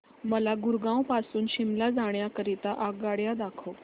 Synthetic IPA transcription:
məlaɡuɾɡãwpasuːnɕimlad͡zaɳ̃jakəɾit̪aʔaɡaɽjad̪akʰo

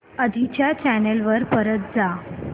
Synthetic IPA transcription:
əd̪ʱit͡ɕjat͡ɕænelʋəɾpəɾət̪̚d͡za

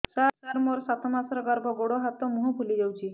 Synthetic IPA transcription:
sasaɾmɔɾsat̪ʰɔmasɾɔɡaɾbʱɔɡoɽɔɦat̪ɔmuɦubʱulid͡ʒawt͡ʃʰi

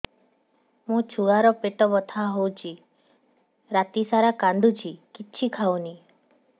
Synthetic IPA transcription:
mũt͡ʃʰuɡaɾɔpeʈɔbɔt̪ʰaɦowt͡ʃʰi | ɾat̪isaɾakand̪ʱut͡ʃʰikiːt͡ʃʰikʰawni

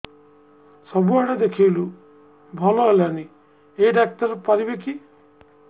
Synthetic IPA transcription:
sɔbuaɽed̪ekʰilu | bʱɔlɔɦeleani | eɖak̚ʈɔɾpaɾibeki

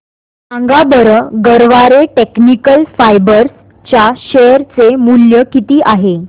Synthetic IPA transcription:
ãŋɡabəɾəɡəɾʋaɾeʈeknikəlfajbəɾs | t͡ɕaɕejəɾt͡semuljəkit̪iːʔaɦe

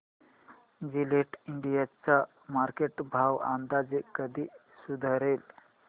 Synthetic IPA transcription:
d͡ʑileʈiɳɖijat͡sa | maɾkeʈbʱawa̰nd̪ad͡zekːəd̪iː | sud̪ʱaɾel

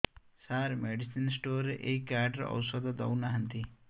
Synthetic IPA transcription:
saɾmeɖisinsʈoɾʔekaɖɾɐ̰wsɔd̪ad̪ɐ̰wnaɦənt̪i

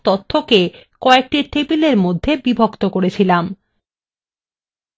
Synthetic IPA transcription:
t̪ot̪ʰːokekɔek̚ʈiʈepileɾmod̪ʱːebibʱokt̪okoɾet͡ɕʰilam

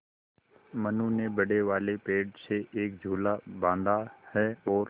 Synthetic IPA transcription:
mənũnebəɽeʋaːlepeːɖseʔeːk̚d͡ʒʱuːlabãːnd̪ahɛːɔːɾ

